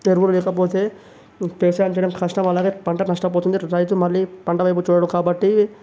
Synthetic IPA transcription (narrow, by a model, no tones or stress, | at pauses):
eɾʋululɛːkɐpo̞ːt̪e̞ː | peːɾsaːjɐmt͡ʃɛjɐɽɐmkʰɐʂʈɐmɐlaːɡeːpɐɳʈɐnɐʂʈɐp̬oːt̪und̪iɾɐjt̪umɐlːipɐɳʈɐʋɐjp̬ut͡ʃuːɽɐɽɐmkaːbɐʈːi